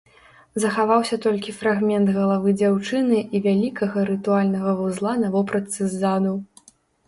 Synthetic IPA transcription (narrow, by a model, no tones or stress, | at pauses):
zɐxavawsʲɐt̪ɔlʲkʲifɾaɣmʲɛnt̪ɣɐlˠavɨd͡zʲawt͡ʂɨnɨʔivʲalʲikɐɣɐɾɨt̪ualʲnɐɣɐvuzlˠanɐvɔpɾɐt̪sɨzːad̪u